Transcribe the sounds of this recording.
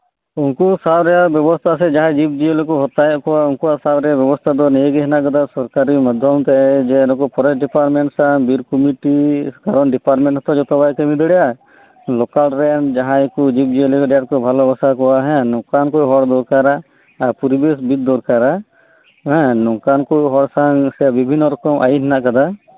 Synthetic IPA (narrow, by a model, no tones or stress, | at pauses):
unkusabɾɛjabjɔbɔst̪ʰas̬ɛd͡ʒaɦãd͡ʒib̚d͡ʒijelekɔɦɔt̪ajɛʔkɔwaunkuwasabɾɛjabjɔbɔst̪ʰad̪ɔnɛjeɡɛɦɛnakad̪asɔɾkaɾimad̪ʱjɔmt̪ɛd͡ʒɛnɔkɔpɔɾɛsɖipaɾʈmɛɳʈsabiɾkɔmiʈikaɾɔnɖipaɾʈmɛ̃ɳʈhɔt̪ad͡ʒɔt̪ɔbajkɛmid̪ʱɽɛja | lɔkalɾɛnd͡ʒaɦãɛkud͡ʒik̚d͡ʒielikɔɖɛjaʈ̚kɔbʱalɔbɔsakɔwaɦɛ̃nɔ̃kankujɦɔɽd̪ɔɾkaɾaː | puɾibes̬bit̪̚d̪ɔɾkaɾa | ɦɛ̃nɔkankujɦɔɽsaŋsɛabibʱinːɔɾɔkɔmʔa̰jiɦɛnaʔkad̪a